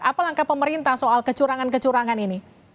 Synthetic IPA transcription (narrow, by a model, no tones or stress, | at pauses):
apalaŋkapəməɾint̪ahsoalkət͡ʃuɾaŋankət͡ʃuɾaŋanini